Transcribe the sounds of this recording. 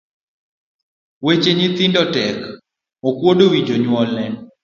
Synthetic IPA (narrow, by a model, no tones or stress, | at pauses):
wet͡ʃeɲit̪ɪndɔtɛk | mokwodowid͡ʒoɲwɔlɛn